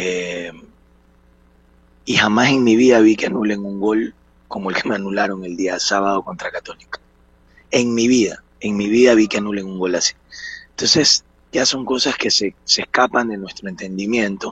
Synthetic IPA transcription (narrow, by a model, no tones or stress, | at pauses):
em | ixamase̞ŋmiβiðaβ̞ikeanule̞ŋuŋɡo̞l | ko̞mo̞elke̞meanulaɾo̞ŋe̞ld̪iasaβaðo̞ko̞nt̪ɾakat̪o̞likḁ | e̞ŋmiβiða | e̞ŋmiβiðaβikeanule̞ŋuŋɡo̞lasi̥ent̪o̞nse̞s | ɟ͡ʝaso̞ŋko̞saske̞seseskapand̪e̞nwest̪ɾoe̞nt̪e̞nd̪imjẽ̞nt̪o̞